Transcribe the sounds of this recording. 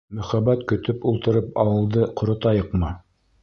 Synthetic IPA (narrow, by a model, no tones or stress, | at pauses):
mɵ̆χæbæt̪kɵ̆t̪ɵpulˠt̪ɤ̆ɾɤpɑwɤ̆lˠd̪ɤqŏɾŏt̪ɑjɤqmɑ